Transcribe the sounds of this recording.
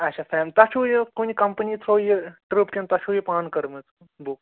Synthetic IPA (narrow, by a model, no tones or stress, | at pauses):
ɐt͡ʃʰaːfʰɛːmt̪ɐt͡ʃʰujekunʲkɐmpənit̪ʰoːjeʈɾupkʲẽnt̪ɐt͡ʃʰujepaːnkɐɾmet̪ʰ | buk